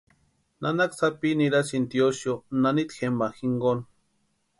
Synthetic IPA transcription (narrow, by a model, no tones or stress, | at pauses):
nanaksapiniɾasint̪ijoʃjonanit̪xemaxiŋɡon